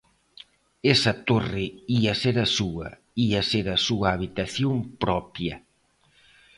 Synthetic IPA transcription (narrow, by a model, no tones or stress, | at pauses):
esɐt̪orɪiɐseɾɐsuɐ̰ | iɐseɾɐsuɐːβit̪aθjompɾɔpjɐ